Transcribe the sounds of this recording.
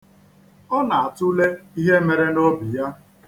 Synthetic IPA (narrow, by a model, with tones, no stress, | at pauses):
ɔ˦na˨a˨tʊ˦le˦i˦ɦe˦me˨ɾe˦no˦bi˨ja˦